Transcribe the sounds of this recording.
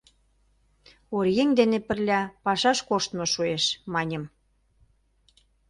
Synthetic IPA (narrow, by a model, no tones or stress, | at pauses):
oɾjeŋd̪enepə̆rlʲɑpɑʃɑʃkoʃt̪mŏʃueʃmɑnʲə̆m